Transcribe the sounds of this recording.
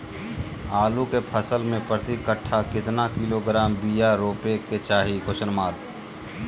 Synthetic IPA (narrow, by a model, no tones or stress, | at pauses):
aːlukepʰəsəlmẽpɾət̪ikəʈʰːakɪt̪nakiloɡɾaːmbijaɾoːpeket͡ʃaːɦikosənmaːɾ